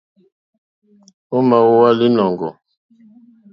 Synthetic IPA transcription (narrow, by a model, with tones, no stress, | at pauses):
o˦ma˨wo˦wa˦li˦nɔ˨ŋɡɔ̰˨